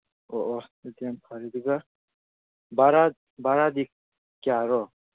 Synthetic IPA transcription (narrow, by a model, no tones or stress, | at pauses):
ɔʔɔd̪iampʰaɾid̪uɡa | baɾad̪̚ | baɾad̪ik̚ | ɡ̥aɾɔ